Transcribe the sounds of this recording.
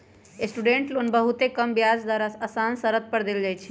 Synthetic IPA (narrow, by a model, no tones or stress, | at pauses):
esʈuɖeɳʈlonbəɦut̪ekəmbjad͡ʒd̪aɾaəsansəɾət̪̚pəɾd̪eld͡ʒajt͡ʃʰi̥